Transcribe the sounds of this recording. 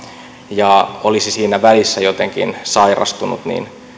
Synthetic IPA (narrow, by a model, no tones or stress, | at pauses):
jɑolisisiːnæʋælisːæjot̪eŋkḭnsɑirɑ̰st̪unṵt̪nḭːn